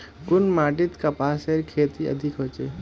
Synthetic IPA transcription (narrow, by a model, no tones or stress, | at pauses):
kʊnmaːʈɪt̪kapaːseɾkʰeːt̪iə̰d̪ʱɪkɦot͡ʃe